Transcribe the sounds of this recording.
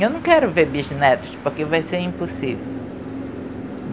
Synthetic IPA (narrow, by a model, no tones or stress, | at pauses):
ewnɐ̃w̃kɛɾʊvebiʒnɛd̪ɪʃpoɾkevajseɾĩpusivew